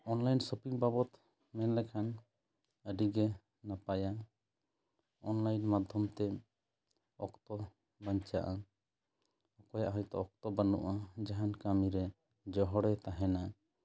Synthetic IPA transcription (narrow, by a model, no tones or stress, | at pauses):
ɔnlajnsupiŋbabɔt̪ | mɛnlɛkʰan | əɖiɡɛ | napaja | ɔnlajnmad̪ʱɔmt̪ɛ | ɔkt̪ɔ | baɲt͡ʃaʔa | ɔkɔjaʔɦɔjt̪ɔɔk̚t̪ɔbənuʔad͡ʒaɦankamiɾɛ | d͡ʒɔɦɔɽɛt̪aɦɛna